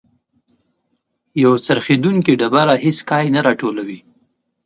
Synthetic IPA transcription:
jawt͡saɾxed̪uŋkiɖabaɾaɦeskɑjnaɾɑʈolawi

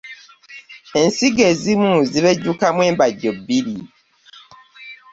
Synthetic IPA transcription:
e̞nsiɡe̞ːzimuziβeɟːukamwe̞ːmbaɟːobːiɾi

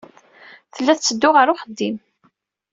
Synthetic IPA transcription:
θəlːæθt͡sːəd̪ːʊʁəɾʊχəd̪ːim

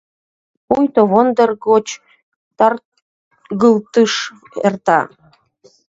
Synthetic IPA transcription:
pujt̪oβond̪ərɡot͡ɕ | t̪ɑr | ɣəlt̪ɨʃ | ert̪ɑ

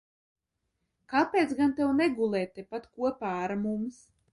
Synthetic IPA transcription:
kapʲeːt̪sɡant̪ɛwnɛɡulˠɛːt̪ːɛpat̪kuɔpaːaɾmums

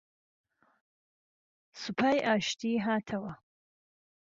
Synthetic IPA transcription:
supʰaːjʔaːʃt̪ʰiːɦaːt̪ʰɐwɐ

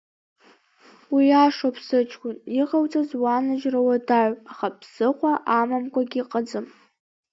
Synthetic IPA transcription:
wijaʂopʰsɨt͡ʃʰkʷʊniʁawt͡sʼazwanaʒrawadaʕʷaχapʰsɨqʷaʔamamkʷaɡʲiqʼəd͡zɨm

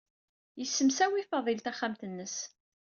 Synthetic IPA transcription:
jəsːəmsæwifɑðˤilt̪æχːamt̪ənːəs

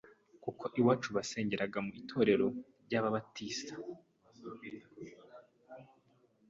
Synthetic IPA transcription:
kukʰo̞ʔiwaːt͡ʃuβase̞ːɲɟe̞ɾaɡamuitʰo̞ːɾe̞ɾo̞ɾɟaːβaβatiːsḁ

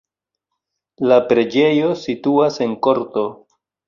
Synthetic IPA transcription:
lapɾe̞d͡ʒe̞jo̞situase̞nko̞ɾto̞

